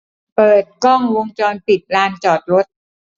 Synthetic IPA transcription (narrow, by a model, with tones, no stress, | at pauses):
pɤː˨˩t̪̚kɔ˥˩ŋwo˧ŋt͡ɕɔː˧npi˨˩t̪̚laː˧nt͡ɕɔː˨˩t̪̚ɾo˦˥t̪̚